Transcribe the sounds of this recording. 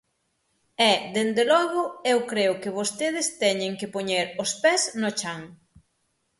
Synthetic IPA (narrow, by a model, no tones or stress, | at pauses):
ɛd̪end̪elɔɣʊewkɾeʊkɪβost̪eð̞ɪst̪ɛɲeŋkɪpoɲeɾospɛznʊt͡ʃaŋ